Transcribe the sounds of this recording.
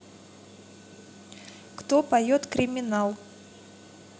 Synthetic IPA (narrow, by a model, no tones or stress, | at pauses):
kt̪opɐjot̪kɾʲɪmʲɪnalˠ